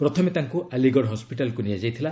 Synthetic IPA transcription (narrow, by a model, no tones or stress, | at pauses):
pɾɔt̪ʰɔmet̪aŋkuʔaliɡɔɽɦɔspiʈalɔkunijad͡ʒajt̪ʰila